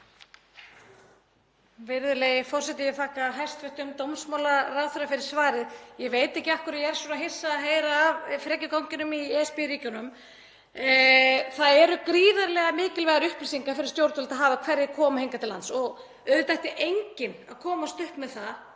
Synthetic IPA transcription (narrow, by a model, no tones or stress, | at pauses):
vɪɾðʏlejɪfɔr̥sɛt̪ɪjɛt̪ʰaːkaɦajst̪vœht̪ʏmt̪owmsmawlaraːwθʏɾafɪɾɪɾ̥svaːɾɪðjɛveːjt̪ɛhcɪahkʏɾajɛɛɾ̥suːnaɦɪjr̥saːɦejɾaːvfɾɛːcʏkawɲcɪnʏmiɛspɪɾiːcʏnʏm | θaðɛɾʏkɾiːðaɾlɛːɣamɪːcɪlvɛɣaɾʏhpɪsiŋkafɪɾɪ̥ɾst̪jowɾt̪ʏlt̪aðɦaːvakʰv̥ɛɾjɪkʰɔːmahejŋkat̪ʰɪlːansɔɣ | œðʏt̪ajht̪ɪʔejɲcɪnaðkʰɔːmast̪ʏhpmɛðθa